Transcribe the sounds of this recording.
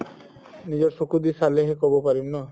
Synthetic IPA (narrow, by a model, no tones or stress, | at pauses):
nid͡ʑɔɾsokud̪isaleɦekɔbopaɾimnɔ